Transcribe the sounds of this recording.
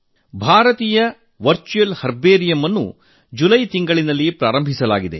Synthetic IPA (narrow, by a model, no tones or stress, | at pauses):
bʱaːɾɐt̪iːjɐ | ʋɐɾt͡ʃujelhɐɾbeːɾijɐmɐnːṵ | d͡ʒulɐjt̪iŋɡɐɭinɐlːipɾaːɾɐmbʱisɐlaːɡid̪e̞̰